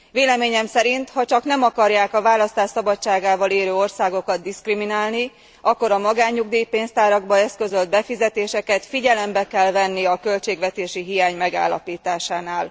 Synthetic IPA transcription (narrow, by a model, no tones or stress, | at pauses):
veːlɛmeːɲɛmsɛɾint̪hɒt͡ʃɒkn̪ɛmɒkɒrjaːkɒvaːlɒst̪aːʃsɒbɒt͡ʃːaːɡaːvɒleːɾøːorsaːɡo̞kɒd̪̚d̪iskriminaːlni | ɒkːo̞ɾɒmɒɡaːɲːuɡd̪iːjipeːnst̪aːɾɒɡbɒɛskø̞zø̞ld̪̚bɛfizɛt̪eːʃɛkɛt̪fiɟɛlɛmbɛkɛlvɛnːiɒkø̞lt͡ʃeːɡʋɛt̪eːʃiɦijaːɲmɛɡa̰ːlːɒ̰piːt̪aːʃaːnaːl